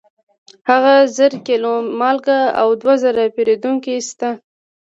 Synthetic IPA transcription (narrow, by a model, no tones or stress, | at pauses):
haɣazəɾkelomɑlɡaa̰wd̪wazəɾapeɾed̪uŋkist̪a